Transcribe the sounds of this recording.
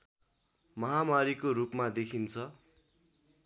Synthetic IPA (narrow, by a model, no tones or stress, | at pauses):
mʌɦamaɾikoɾupmad̪ekʰint͡sʰʌ